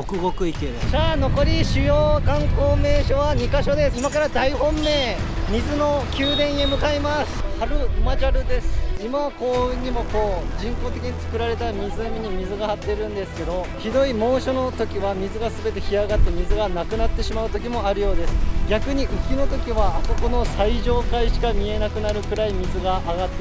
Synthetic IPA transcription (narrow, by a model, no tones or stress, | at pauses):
okɯ̟ɡokɯ̟ikesaːno̞ko̞ɾʲiɕɨjoːkãŋko̞ːme̞ːɕo̞βaɲ̟ikaɕo̞d̪e̞simakaɾad̪aiɦõ̞mːe̞ːmʲizɨno̞kʲɨːd̪ẽ̞ɰ̃jemɯ̟kaimasɨ̥haɾɯ̟mad͡ʑaɾɯ̟d̪e̞sɨ̥imaβako̞ːɲ̟imo̞ko̞ːd͡ʑĩŋko̞ːt̪e̞kʲiɲ̟it͡sɨ̥kɯ̟ɾaɾe̞t̪amʲizɨmʲiɲ̟imʲizɨɡahat̪ːe̞ɾɯ̟̃nd̪e̞sɨ̥ke̞d̪o̞ | çid̪o̞imõ̞ːɕo̞no̞t̪o̞kʲiβamʲizɨɡasɨbe̞t̪e̞çiaɡat̪ːe̞mʲizɨɡanakɯ̟nat̪ːe̞ɕimaɯ̟t̪o̞k̬ʲimo̞aɾɯ̟jo̞ːd̪e̞sɨ̥ɡʲakɯ̟ɲ̟iʔɯ̟kʲino̞t̪o̞kʲiβaːso̞ko̞no̞saiʑo̞ːkaiɕi̥kamʲie̞nakɯ̟naɾɯ̟kɯ̟ɾaimʲizɨɡaʔaːɡat̪ːe